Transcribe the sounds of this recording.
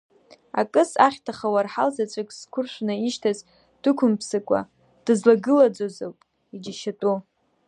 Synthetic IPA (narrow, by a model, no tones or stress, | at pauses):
a̰kʼɨsaχʲtʰaχawarħalzat͡ʃʷʼakʼskʷʰʊrʃʷnɨiʃtʰaz | d̥ɨkʷʰʊmpʰsɨkʷʼa̰ | d̥ɨzlaɡɨlad͡zozɨlpʼ | id͡ʒaʃatʼu